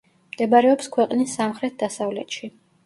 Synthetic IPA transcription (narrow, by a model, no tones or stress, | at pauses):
md̪̥ɛbaɾɛɔpskʰwɛqʼnisːamχɾɛt̪̚d̪asavlɛ̰t̪ʃi